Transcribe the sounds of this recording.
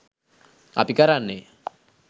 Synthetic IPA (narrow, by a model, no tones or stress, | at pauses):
a̰pikʼaɾanɪ